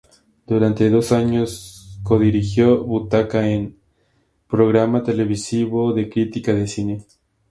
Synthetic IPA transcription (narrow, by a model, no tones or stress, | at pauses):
d̪̥uɾant̪eðo̞saɲo̞sko̞ðiɾixjo̞βut̪akaen | pɾoɣɾamat̪e̞le̞βisiβoðe̞kɾit̪ikaðesine